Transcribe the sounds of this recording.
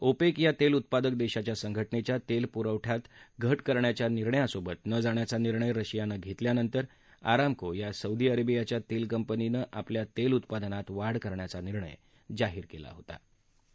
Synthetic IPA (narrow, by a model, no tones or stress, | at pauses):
opekjat̪elut̪̚pad̪ək̚d̪eɕat͡ɕjasəŋɡʱəʈnet͡ɕjat̪elpuɾəʋʈʰjat̪ɡʱəʈkəɾɳjat͡ɕjaniɾɳəjasobət̪nəd͡zaɳ̃jat͡saniɾɳəjɾəɕijanəɡʱet̪ljanənt̪əɾ | a̰ɾamkojasəud̪ʱiəɾebijat͡ɕjat̪elkəmpəninəʔapljat̪elut̪pad̪ənat̪ʋaɽkəɾɳjat͡saniɾɳə̰j | d͡zaɦiːɾkela̰ɦot̪a̰